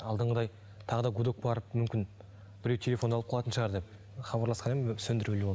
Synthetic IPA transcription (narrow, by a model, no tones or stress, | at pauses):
ɑlˠd̪əɴʁəd̪ɑj | t̪ʰɑʁəd̪ɑɡud̪ok̚bɑɾəp̚mʏmkʲɪn | b̥ɪɾewt̪ʲʰe̞lʲe̞fo̞nɑlˠəp̚qʰlˠɑt̪ənʃəʁɑɾd̪ep | χɑbɑɾlˠɑsqɑnemsɵnd̪ɪɾelewo